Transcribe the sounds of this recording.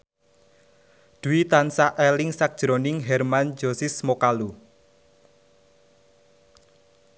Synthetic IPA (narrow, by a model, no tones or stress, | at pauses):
d̪̥uit̪ansaʔɛlɪŋsak̚ʒ̥ɾonɪŋɦɛrmand͡ʒɔsɪsmokalu